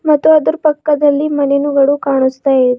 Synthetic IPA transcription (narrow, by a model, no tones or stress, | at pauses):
mɐt̪ːuɐd̪uɾpɐkːɐd̪ɐlːiːmɐnenuɡɐɽuːkaɳ̃ust̪ajed̪